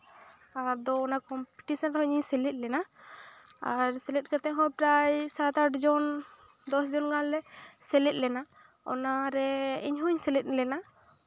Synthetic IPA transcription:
aɾd̪ɔːnakɔmpi̥ʈisɔnhɔɲiɲsɛlɛt̪̚lɛna | aɾsɛlɛt̪̚kat̪ɛɦɔjpɾajsat̪aʈd͡ʒɔn | d̪ɔsd͡ʒɔnɡallɛsɛlɛt̪̚lɛna | ɔ̰naɾɛiɲɦuɲsɛlɛt̪̚lɛna

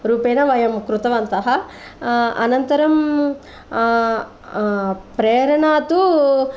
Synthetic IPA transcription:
ɾuːpeːnɐʋɐjɐmkɾut̪ɐʋɐnt̪ɐɦɐ | ɐ̰nɐnt̪ɐɾɐm | pɾeːɾɐɳaːt̪u

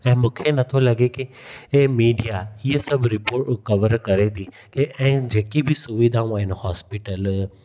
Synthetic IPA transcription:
ɛ̃mʊ̃kʰenət̪ʰõləɡeke | emiːɖijaiəsəbɾɪpoːɾʈʊkəʋəɾkəɾet̪ʰi | keʔɛ̃ːd͡ʒeːkibʱisʊʋid̪ʱãʋaenohɔːspɪʈəl

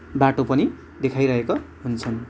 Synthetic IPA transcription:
baʈopʌni | d̪ekʰajɾʌɦekoɦunt͡sʰʌn

